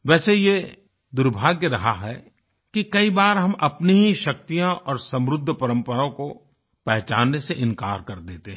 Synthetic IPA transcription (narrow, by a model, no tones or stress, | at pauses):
ʋɛːseje | d̪ʊɾbʱaːɡjəɾɐɦaɦɛ | kikɐibaːɾɦɐmʔɐpniɦiʃɐk̚t̪ijãʔɔːɾsɐ̃mɾʊd̪ʱːəpɐɾə̃mpəɾõko | pɛɦt͡ʃaːnːeseʔɪ̃ŋka̰ːɾkɐɾd̪eːt̪eɦ